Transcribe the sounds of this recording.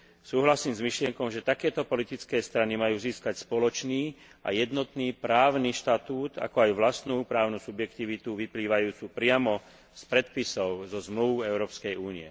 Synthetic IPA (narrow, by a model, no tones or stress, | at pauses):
suːɦlasiːmzmiʃlɪɛŋkɔmʒɛt̪akɛːt̪ɔpɔlit̪it͡skɛːst̪ɾanimajuːziːskacspɔlɔt͡ʃniː | ʔa̰jɛd̪nɔt̪niːpɾaːʊniʃt̪at̪uːt̪a̰kɔajʋlast̪nuːpɾaːʊnusubjɛkt̪iʋit̪uʋipliːʋajuːt͡supɾɪamɔ | spɾɛt̪̚pisɔʊzɔzmluʋɛʊɾɔːpskɛjuːniɛ̰